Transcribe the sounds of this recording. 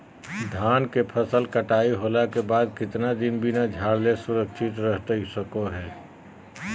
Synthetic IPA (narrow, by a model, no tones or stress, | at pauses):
d̪ʱaːnkepʰəsəlkəʈaːiɦoːlakebaːd̪̚kɪt̪nad̪ɪnbʱinad͡ʒʱaːɽlesʊɾəkʃʰɪt̪ɾəɦt̪səkoɦɛː